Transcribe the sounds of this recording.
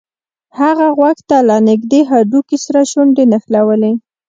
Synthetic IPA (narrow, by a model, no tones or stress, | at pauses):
haɣaɣwaxt̪alanɪɡd̪eɦaɖukisaɾaʃʊɳɖenaxlawəle